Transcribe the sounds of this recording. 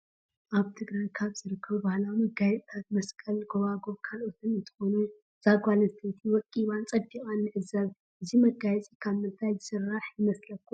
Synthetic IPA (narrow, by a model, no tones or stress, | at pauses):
ʔaβt̪ʰɨɡɾajkʰaβzɨɾɨkʰːɐβbahlawimɐɡajɛt͡sʼt̪ʰat̪̚mɐskʼɐlɡoβaɡo̞βkʰalʔo̞t̪ʰɨnɨnt̪ʰɨ̥xo̞nu | z̥aɡʷalɐzt̪ʰɐt̪ʰiwɔkʼːiβant͡sʼɐd̪ːikʼanːɨʔɨzɐβ | ʔɨzimɐɡajɛt͡sʼikʰaβmɨnt̪ʰajzɨsɨrːaħjɪmɐslɐkːu